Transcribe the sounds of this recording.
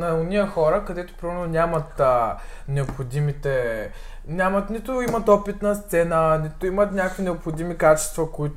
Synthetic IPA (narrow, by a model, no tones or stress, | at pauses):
nɐonʲijəxɔɾəkɐd̪ɛt̪ʊ̥pɾavʲɛnonʲamɐt̪ə | nɛopxod̪imit̪ɛ | nʲamɐt̪nit̪ʊimɐt̪ɔpit̪nɐst̪sɛnənit̪ʊimət̪nʲakvinɛopxod̪imikat͡ʃɛ̥st̪vɐkoit̪